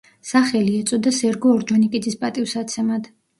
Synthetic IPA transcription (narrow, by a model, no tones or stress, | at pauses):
saχɛliɛt̪sʼɔd̪asɛɾɡɔːɾd͡ʒɔnikʼid̪zispʼat̪ʼivsat̪sʰɛmad̪̥